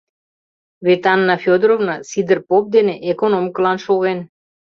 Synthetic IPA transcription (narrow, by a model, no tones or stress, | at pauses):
βet̪ɑnːɑfʲjod̪ɾovnɑsid̪ərpop̚d̪eneʔekonomkəlˠɑnʃoɣen